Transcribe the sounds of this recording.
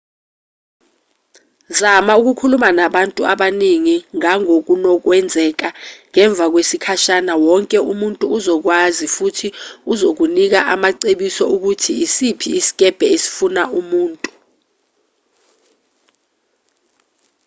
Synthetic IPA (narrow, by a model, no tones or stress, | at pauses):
zamauk̬ukʰulumanaɓantʼuaɓaniŋiŋaŋok̬unɔk̬wɛnd͡zʱɛk̬aŋɛɱb̪vʱak̬wesikʰaʃanawɔŋkʼɛumuntʼuːzɔk̬wazifutʰiuzok̬unik̬aʔamaǀeɓisɔuk̬utʰiːsipʰiisi̥kʼɛb̥ʱɛesi̥funaʔumuːntʼu̥